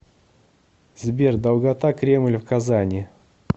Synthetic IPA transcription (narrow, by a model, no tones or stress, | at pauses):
zbʲerd̪ɐlˠɡat̪akɾʲe̞mlʲfkazanʲɪ